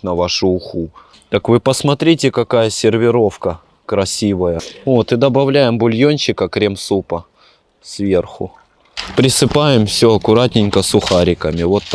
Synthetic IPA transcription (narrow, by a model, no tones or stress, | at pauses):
nɐvaʂʊːxu | t̪əkvɨpəsmɐt̪ɾʲitʲɪkɐkajəsʲɪrvʲɪɾo̞fkə | kɾɐsʲivəjəot̪ɨd̪əbɐvlʲæjɪmbʊlʲjonʲɕɪkəkɾʲemsupə | svʲe̞rxʊ̰ | pɾʲɪsɨpajɪmfsʲɵɐkʊɾatʲnʲɪnʲkəsʊxaɾʲɪkəmʲɪvo̞t̪ː